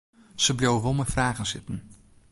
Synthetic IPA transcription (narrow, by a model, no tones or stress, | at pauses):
səblowəʋɔlˠməfraːɣənsɪtən̩